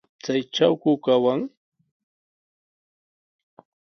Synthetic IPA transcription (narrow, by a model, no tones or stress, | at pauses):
t͡sajʈ͡ʂawkʊkawaŋ